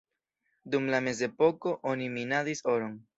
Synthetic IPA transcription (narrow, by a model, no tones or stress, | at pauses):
dumlame̞ze̞po̞ko̞ʔoniminadiso̞ɾoŋ